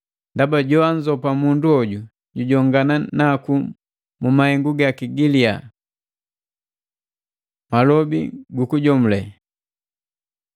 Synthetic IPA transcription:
ndabaɟɔaɲd͡ʒɔpamunduɔɟu | ɟuɟɔŋɡananaku | mumahɛŋɡuɡakiɡilia | malɔbḭɡukuɟɔm̩lɛ

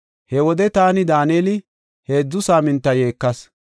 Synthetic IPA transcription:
hɛwɔd̪ɛt̪aːnɪd̪aːneːlɪ | heːd͡zːʊsaːmɪnt̪ːɐje̞ːkːɐs

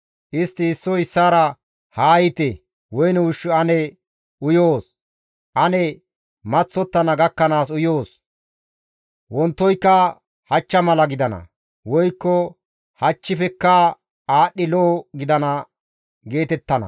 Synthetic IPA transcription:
ʔɪst̪ːɪːsːɔɪsːaːɾɐ | haːjɪt̪ɛ | wɔjnɛʊʃːʊɐnɛ | ʊjoːs | ʔɐnɛ | mɐt͡sːɔt̪ːɐnɐɡɐkːɐnaːsʊjoːs | wɔnt̪ːɔjkːɐ | hɐt͡ʃːɐmɐlɐɡɪd̪ɐnɐ̰ | wɔjkːɔ | hɐt͡ʃːɪfɛkːɐ | aːɗːɪloːɡɪd̪ɐnɐ | ɡe̞ːt̪ɛt̪ːɐnɐ̰

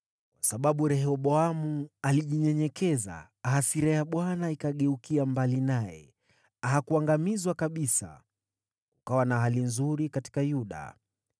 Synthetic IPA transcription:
kwasaɓaɓuɾɛɦɔɓɔamualiʄiɲɛɲɛkɛza̰ː | ɦasiɾɛjaɓwanaikaɠɛukiambalinajɛ̰ | aɦakuaŋɡamizwakaɓisa̰ | ukawanaɦalinzuɾikati̥kajuɗa̰

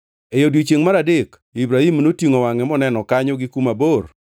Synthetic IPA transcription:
ejodwit͡ʃeŋmaɾadɪk | ibɾahimnotiŋowaŋɛmɔnɛnɔkaɲɔɡɪkumabor

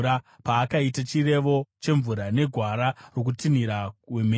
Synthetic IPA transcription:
ɾa | paːkaitat͡ʃire̞ʋot͡ʃe̞ɱvuɾane̞ɡʱwaɾaro̞k̬utiniɾaweme

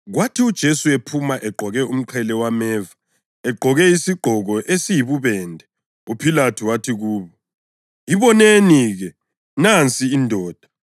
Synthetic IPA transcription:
ɣwatʰiud̥ʒ̥ʱesuepʰumaʔɛɡ͡ǃʱɔɣɛum̩ǃʰɛlɛwamɛːva | ɛɡ͡ǃʱɔɣɛisiɡ͡ǃʱɔɣɔʔesijiβuβɛːndʱɛ | upʰilatʰuwatʰiɣuːβɔ | iβɔneniɣɛ | nant͡sʼiːndʱɔːd̥ʱa

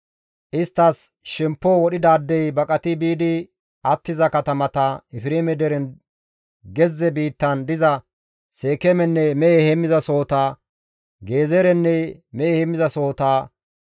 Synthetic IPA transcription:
ʔɪst̪ːɐs | ʃɛmpːɔwɔɗɪd̪aːd̪ːɛjbɐkʼɐt̪ɪbiːd̪ɪ | ʔɐt̪ːɪzɐkɐt̪ɐmɐt̪ɐɪfɪɾeːmɛd̪ɛɾɛn | ɡɛzːɛbiːt̪ːɐnd̪ɪzɐ | se̞ːkɛmɛnːɛmɛʔehɛmːɪzɐso̞ːt̪aː | ɡe̞ːzɛɾɛnːɛmɛʔehɛmːɪzɐso̞ːt̪aː

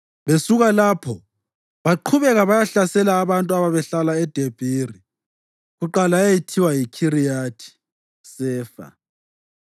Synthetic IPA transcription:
βesuɣalapʰɔ | βaǃʰuβɛɣaβajaɬasɛlaːβantʼuaβaβɛɬalaɛd̥ʱeb̥ʱiːri | ɣuǃalaejitʰiwajikʰirijatʰi̥ | sɛːfa̰

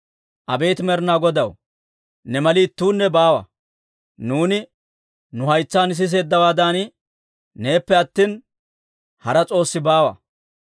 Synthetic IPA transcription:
ʔɐbe̞ːt̪mɛɾnaːɡɔd̪ɐw | nɛmɐliːt̪ːuːnːɛbaːwɐ̰ | nuːnɪ | nʊhɐjt͡sːaːnɪs̬ɪs̬e̞ːd̪ːɐwaːd̪aːn | ne̞ːpːɛɐt̪ːiːn | hɐɾɐt͡sʼo̞ːsːɪbaːwɐ̰

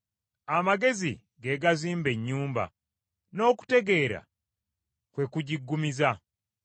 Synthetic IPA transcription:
amaɡe̞zḭ | ɡe̞ɡaziːmbe̞ɲːuːmba̰ | no̞ːku̥te̞ɡe̞ːɾa̰ | kwe̞kuɟiɡːumiza

